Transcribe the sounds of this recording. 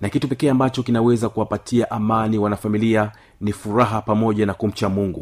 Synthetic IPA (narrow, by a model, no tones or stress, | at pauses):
nakitupɛkɛːambat͡ʃɔkinawɛzakuwapatʰiaʔamaniwanafamilia | nifuɾaɦapamɔʄanakum̩t͡ʃamuŋɡu